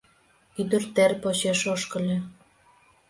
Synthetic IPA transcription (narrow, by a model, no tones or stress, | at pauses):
yd̪ə̆rt̪erpot͡ɕeʃoʃkə̆lʲe